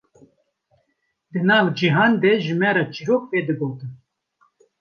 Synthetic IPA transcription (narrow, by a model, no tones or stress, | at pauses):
d̪ɨnɑːvd͡ʒiɦɑːnd̪eʒɨmɛɾɑːt͡ʃiɾoːk̚peːd̪ɨɡoːt̪ɨn